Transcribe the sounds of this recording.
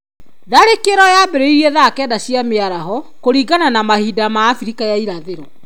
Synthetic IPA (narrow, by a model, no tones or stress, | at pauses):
ðaɾekeɾɔjabɛɾeiɾiɛðakɛdaɕiameaɾaɦɔ | koɾiːɡananamahiːdamaːfiɾikajaiɾaðeɾɔ